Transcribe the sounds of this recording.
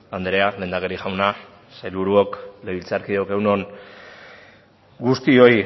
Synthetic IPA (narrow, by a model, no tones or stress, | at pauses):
and̪ɾe̞ale̞ːnd̪akeɾixawna | sajlβuɾuokleβilt͡saɾkiðoke̞wno̞n | ɡust̪io̞j